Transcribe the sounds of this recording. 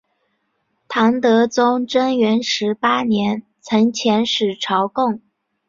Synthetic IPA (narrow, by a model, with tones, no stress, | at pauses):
t̪ʰɑ˧˥ŋt̪ɤ˧˥t͡sʊ˥ŋʈ͡ʂə˥ŋɥɛ˧˥nʂɻ̩˧˥pa˥njɛ˧˥n | t͡sʰɤ˧˥ŋt͡ɕʰjɛ˧˥nʂɻ̩˨˩ʈ͡ʂʰɑ˧˥ʊkʊ˥˩ŋ